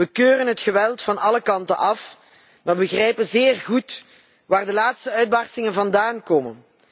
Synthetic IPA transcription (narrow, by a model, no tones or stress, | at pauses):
ʋəkøːrənɦətxəʋɛlˠtfɑnɑləkɑntə̰nʔɑf | maːbəɣrɛjpənzɪːrɣut | ʋaːrdəlaːtstəœɥd̚bɑrstɪŋənvɑndaːnkoːmən